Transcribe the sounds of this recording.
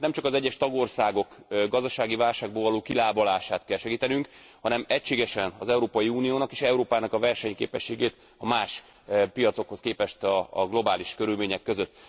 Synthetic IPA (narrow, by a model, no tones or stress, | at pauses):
nɛmt͡ʃɒkɒzɛɟːɛʃt̪ɒɡo̞rsaːɡo̞kɡɒzd̪ɒʃaːɡivaːlʃaːɡ̚boːlvɒloːkilaːbolaːʃaːt̪kɛlʃɛɡiːt̪ɛnyŋkhɒnɛmɛcʃeːɡɛʃɛnɒ̰zɛuɾoːpɒjiuːnijoːnɒkeːʃɛuɾoːpaːnɒkɒvɛrʃɛɲkḛːpɛʃːeːɡeːt̪ | ɒmaːʃ | pijɒt̪so̞kho̞skeːpɛʃt̪ɒɡlo̞baːliʃkøɾylmeːɲɛkːøzøt̪ː